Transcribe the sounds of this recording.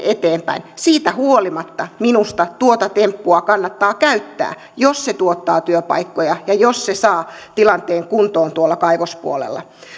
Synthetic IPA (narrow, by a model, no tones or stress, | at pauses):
et̪eːmpæ̰insiːt̪æhuolimɑt̪ːɑminust̪ɑt̪uot̪ɑt̪empːuɑkɑnːɑt̪ːɑːkæyt̪ːæ̰ː | josset̪uot̪ːɑːt̪yøpɑ̰ikːojɑjɑjossesɑːt̪ilɑnt̪eːŋkunt̪oːnt̪uolːɑkɑiʋospṵolḛlːɑ̰